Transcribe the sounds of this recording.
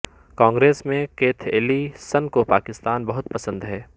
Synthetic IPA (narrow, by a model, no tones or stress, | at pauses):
kãːŋɡɾeːsmẽkeːt̪ʰeːlisɐnkopaːkɪst̪aːnbɐɦʊt̪pɐsə̃nd̪ɦɛː